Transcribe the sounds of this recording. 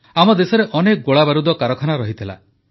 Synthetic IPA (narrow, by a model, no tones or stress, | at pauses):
amɔd̪esɔɾeʔɔnek̚ɡoɭabaɾud̪ɔkaɾɔkʰanaɾɔɦit̪ʰila̰